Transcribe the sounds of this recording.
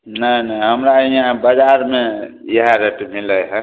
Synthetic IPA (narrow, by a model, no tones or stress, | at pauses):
nənəjɦəmɾaiãbəd͡ʒaɾme | jəɦaɾeʈmiləjɦɛ̃